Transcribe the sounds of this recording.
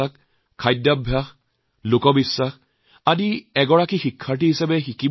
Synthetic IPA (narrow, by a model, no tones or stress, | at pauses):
ak | kʰajdabʱjax | lokɔbisːax | adiɛɡɔɹakixikʰːaɹt̬iɦisɛbɛxiki